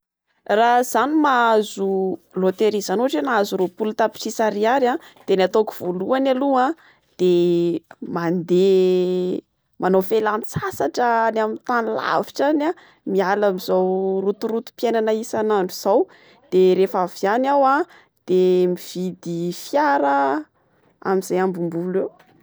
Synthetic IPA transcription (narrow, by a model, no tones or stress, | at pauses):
raz̥animaazulot̪eɾizanuaʈ͡ʂenazuropulut̪api̥ʈ͡ʂisaɾiaɾad̪̥enat̪oki̥v̥oluanalua | d̪̥e | mand̪e | manowfelant͡sasaʈ͡ʂənamint̪anila̰viʈ͡ʂana | mialamizawrut̪uɾut̪u̥pjenanaisanaɳɖ͡ʐuz̥aw | d̪̥eɾefavjanawa | d̪̥emiv̥id̪ifjaɾə | a̰miz̥ajambumbulew